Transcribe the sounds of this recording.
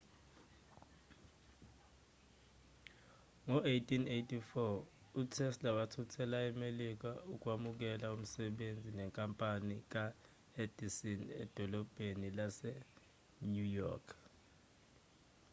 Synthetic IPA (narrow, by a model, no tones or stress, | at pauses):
ŋɔejtʼinejtʰʼifɔ | utʰɛslaɓatʰutʰɛlaɛmelik̬auk̬ʼwamuk̬ɛlaum̩sɛɓend͡zʱinɛŋkʼampʼanik̬a | ed̥ʱisinɛ̰d̥ʱɔlɔb̥ʱenilasɛ | ɲujɔ̰ːkʰ